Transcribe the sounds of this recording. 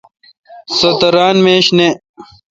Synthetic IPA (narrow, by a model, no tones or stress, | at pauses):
sɐt̪ɐɾaːnmeːɕne